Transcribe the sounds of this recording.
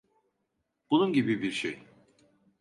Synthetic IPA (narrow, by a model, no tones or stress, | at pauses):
b̥ununɟibibiɾʃḛj